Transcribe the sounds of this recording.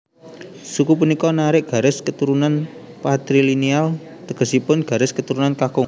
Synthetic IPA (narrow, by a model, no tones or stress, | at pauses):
sukupunikɔnaɾɪʔɡ̥ä̤ɾɪskət̪uɾunan | pat̪ɾilinial | t̪əɡ̥ə̤sipʊnɡ̥a̤ɾɪskət̪uɾunankakʊ